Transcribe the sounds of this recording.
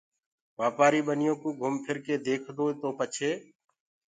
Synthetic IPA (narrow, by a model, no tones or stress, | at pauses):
ʋaːpaːɾiːɓənɪjõːkũːɡʱʊmpʰɪɾkeːd̪eːkʰd̪oːt̪oːpət͡ʃʰeː